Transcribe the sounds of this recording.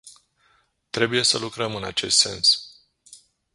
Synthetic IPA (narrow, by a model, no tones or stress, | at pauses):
t̪ɾe̞buje̞səlukɾəmɨna̰t͡ʃe̞st̪se̞̰ns